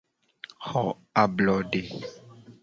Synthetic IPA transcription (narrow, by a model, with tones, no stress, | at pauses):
hɔ˨ | a˨blɔ˨ɖe˨